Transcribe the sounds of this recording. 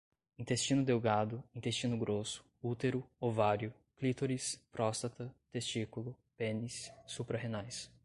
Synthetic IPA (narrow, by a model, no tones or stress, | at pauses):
ĩnt̪est͡ʃĩnʊd̪ewɡad̪ʊĩnt̪est͡ʃĩnʊɡɾosʊ̥ | ut̪eɾʊovaɾjʊ | klit̪oɾispɾɔst̪ɐt̪ɐt̪est͡ʃikulʊ | pẽnisːupɾɐɦenajs